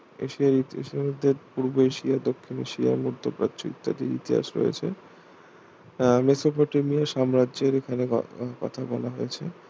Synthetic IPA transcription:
ḛʃiaɾit̪iḛʃimod̪ʱːepuɾboeʃiad̪okʰːinḛʃia̰ɾmuɾd̪opɾa̰tːt͡ɕo̰ḭkt̪ːad̪ḛɾḭt̪iɦa̰ʃɾo̰jḛt͡ɕʰe | mesopoʈemijaʃamɾad͡ʑeɾekʰanḛkɔ̰t̪ʰabɔlaɦojet͡ɕʰe

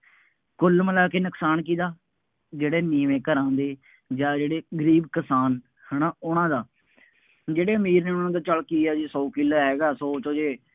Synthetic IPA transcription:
kʊlməlaːkeːnəksaːnk̬iːd̪aː | d͡ʒeːɽeːniːʋẽːkəɾãːnd̪eː | d͡ʒaːd͡ʒeːɽeːɡəɾiːbkəsaːn | hənaːʊnãːd̪aː | d͡ʒeːɽeːəmiːɾneːʊnãːd̪aːt͡ʃəlkiːɛːd͡ʒiːsɔːkɪlaːɦɛːɡaːsɔːt͡ʃoːd͡ʒeː

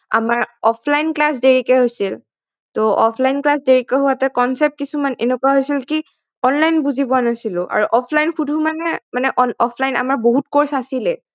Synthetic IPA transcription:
a̰maɹɔpʰlajnklas̬deɹikɛɦojsil | tɔʔɔpʰlajnklasdeɹikɛɦuwatɛkɔnsɛp̚t̚kisumanḛnukuaɦojsilki | ɔnlajnbuzibɔanasilʊ̃ʔa̰ɹuʔɔpʰlajnxudʱumanɛmanɛʔɔnɔpʰlajna̰maɹboɦutkoɹsasilɛ

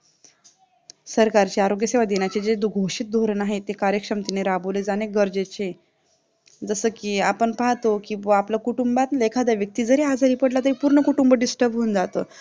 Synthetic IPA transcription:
səɾkaɾt͡ɕeaɾoɡjəseʋad̪enjat͡ɕed͡ʑed̪uɡʱoɕit̪̚d̪ʱoɾnaɦet̪ːekaɾjəkʂəmt̪ineɾaboled͡zaneɡəɾd͡zet͡ɕe | d͡zəsəːkiːapəɳpaɦt̪okiːapləkuʈumbat̪lekʰad̪aʋjək̚t̪iːd͡zəɾead͡zaɾiːpəɽlat̪əɾiːpuɾɳəkuʈumbəɖisʈəɾbʱɦuːnd͡zat̪o

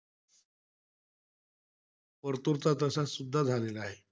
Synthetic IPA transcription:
pəɾt̪uɾt̪at̪̬əsasud̪ʱːad͡zʱalelaɦe

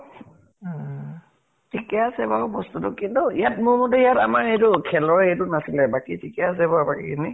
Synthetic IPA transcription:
tʰikɛasɛbaʊbɔstutʊkintʊijat̚mʊɹmɔtɛijatamaɹejtʊkʰɛlɔɹɛjtʊnasilɛbakitʰikɛas̬ɛbabakikʰini

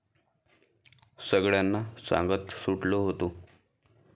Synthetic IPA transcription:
səɡɭjanːasã̰ŋɡət̪suʈloɦot̪o

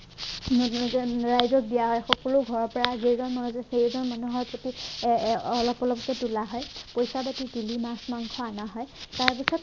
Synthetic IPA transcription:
ɹajzɔk̚bijaɦɔjxɔkɔlʊɡʱɔɹɔpɔɹazezɔnmanuzɛxejzɔnmanuɦɔɹpɹoti | ɔlɔpɔlɔpɔkɛtulaɦɔjpojsabatidilimasmaŋkʰɔanaɦɔjtaɹpisɔt̚

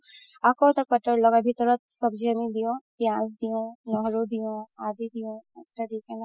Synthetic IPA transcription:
akot̪ɐk̚pɐʈːəɾlɔɡabʱit̪əɾət̪sɔbd͡ʒɐmid̪ijõpjãːs̬d̪ijõnɔɦɾod̪ijõːaːd̪id̪ijõɐkʈad̪iken

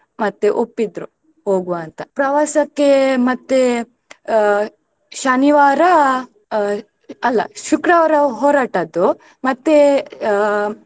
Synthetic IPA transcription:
mɐt̪ːeʔopːid̪ɾu | ɦoːɡuɐnt̪ɐpɾɐʋaːsɐkːemɐt̪ːe | ʃɐniʋaːɾɐ | ɐlːɐ̰ʃukɾɐʋɐɾɐɦoːɾaːʈɐd̪u | mɐt̪ːe

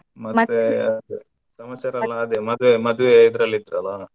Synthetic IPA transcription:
mɐt̪ːeɐd̪ | sɐmɐt͡ʃɐɾɐlːɐːd̪emɐd̪uʋemɐd̪uʋeid̪ɾɐlːid̪ɾɐlːa

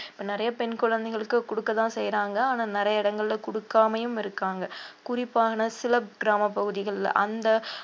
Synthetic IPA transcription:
ɪ̥pːɐnɪɾɐjɐpɛnkʊɻɐnd̪ɛɪɣɐɭɯkːɯkʊɽɯkːɐt̪ãːsɛjɾaːŋɡɐaːnaːnɪɾɐjɐɪɽɐŋɡɐɭɪlɐkʊɽɯkːaːmɐjɯmɪɾɯkːaːŋɡɐkʊrɪpːaːɣɐnɐsɪlɐp̚ɡɪɾaːmɐpːɐɣɯðɪɣɐɭ̰ʔɐnd̪ɐ

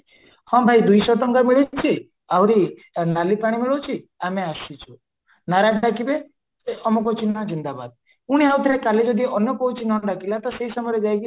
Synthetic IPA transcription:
hɔ̃bʱajd̪ujsɔʈɔŋkamiɭit͡ʃʰi | awɾi | nalipaɽ̃imiɭot͡ʃʰiameasit͡ʃʰu | naɾakɽakibe | amɔk̬ɔɦut͡ʃʰinazind̪aba̰d̪̚ | uɽ̃iaut̪ʰiɾekaled͡ʒɔd̪iɔnjɔkɔɦut͡ʃʰinɔ̃ɖakilat̪ɔseɦisɔmɔɾed͡ʒajɡi

